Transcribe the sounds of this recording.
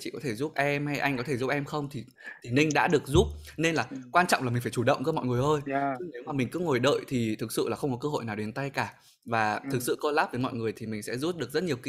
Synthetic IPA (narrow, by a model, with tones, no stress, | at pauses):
t͡ɕḭ˧˨kɔ˨˦t̪ʰe˧˩zu˦˥p̚ʔɛ˧mha˧jʔa˧jŋ̟kɔ˨t̪ʰe˧˩zu˦˥p̚ʔɛ˧mxə˧wŋ͡mt̪ʰi˨˩ | t̪ʰi˨˩nï˧ŋ̟ɗa̰ː˧˥ɗɨ˨˩ək̚zu˦˥p̚ne˧nlaː˨˩kwaː˧nt͡ɕɔ̰˧˨ŋ͡mlaː˨˩ï̟˨˩faː˧˩jt͡ɕu˧˩ɗə̰˧˨wŋ͡mkɨ˧˥mɔ̰˧˨ŋ˨˩əjʔəː˧jɨ˨˦ne˨˦wmaː˨˩mï˨˩ŋ̟kɨ̰˨˧˥əŋo˨˩jɗə̰ː˧˨jt̪ʰi˨˩t̪ʰɨ˨˩k̚sɨ̰˧˨laː˨˩xə˧wŋ͡mkɔ˨˦k̬əː˧ɦo̰˧˨jnaː˨˩wɗe˨˦nt̪a˧jkaː˧˩ | vaː˨˩t̪ʰɨ˨˩k̚sɨ̰˧˨ko˧laː˦˥p̚vəː˨˦jmɔ̰˧˨jŋɨ˨˩əjt̪ʰi˨˩mï˨˩ŋ̟sɛ̰˧˥zu˦˥t̚ɗɨ˨˩əkzə˦˥t̚ɲi˨˩əwkḭ˧